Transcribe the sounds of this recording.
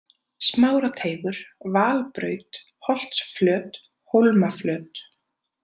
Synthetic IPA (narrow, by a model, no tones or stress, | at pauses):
smaːwɾat̪ʰeːjɣʏɾ̥vaːlpɾœ̰ːɥt̪ | hɔl̥t̪sflœːt̪ | howlmaflœːt̪